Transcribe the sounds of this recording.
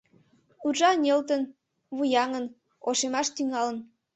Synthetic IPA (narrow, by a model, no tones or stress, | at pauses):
uʒɑnʲelt̪ən | βujɑŋən | oʃemɑʃt̪yŋɑlə̆n